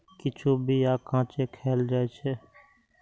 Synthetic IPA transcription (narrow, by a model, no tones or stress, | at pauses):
kɪt͡ʃʰuːbʱiːjaːkãːt͡ʃeːkʰeːld͡ʒaːet͡ʃʰeː